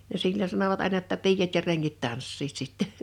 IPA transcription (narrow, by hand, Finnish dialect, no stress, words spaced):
jɑ silʲːonʲ sɑnoʋɑt ɑˑenɑ tːɑ piːjɑt jɑ reŋːit tɑnsːiːt sitːe